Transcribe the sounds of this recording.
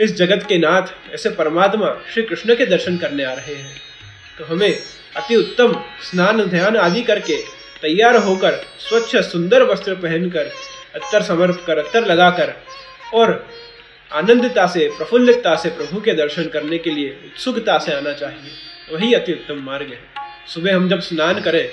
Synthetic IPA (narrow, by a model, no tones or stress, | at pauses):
ɪsd͡ʒɐɡət̪kenaːt̪ʰɛ̰ːsepɐɾəmaːt̪maʃɾiːkɾɪʃnəked̪ɐɾʃənkɐɾneaːɾɐɦeɦɛ̃ː | t̪oɦɐmẽ | ɐt̪iʊt̪ːəmsnaːnd̪ʱjaːnaːd̪ikɐɾke | t̪ɐjːaːɾɦokəɾswɐtːʃʰəsʊ̃nd̪əɾʋɐst̪ɾəpɛɦə̃nkəɾɐt̪ːəɾsɐməɾp̪ʰkɐɾɐt̪ːəɾlɐɡaːkəɾ | ɔːɾ | aːnə̃nd̪ʱt̪asepɾɐfʰʊ̃nd̪ɪkt̪asepɾɐbʱuked̪ɐɾʃənkɐɾnekelieʊt̪sʊɡt̪aseaːnat͡ʃaːɦie | ʋɐɦiɐt̪iʊt̪ːəmːaːɾɡɦɛ̃ː | sʊbʱeɦɐ̃md͡ʒɐbsnaːnkɐɾẽː